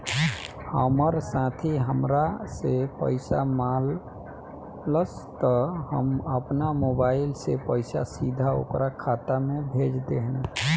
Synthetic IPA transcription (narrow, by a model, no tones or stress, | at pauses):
həməɾsãt̪ʰiɦəmɾasepə̰ɪsamal | əst̪ɔhəməpnamobailsepəɪsa̰sid̪ʱao̰kɾakʰat̪amebʱed͡ʒd̪eɦn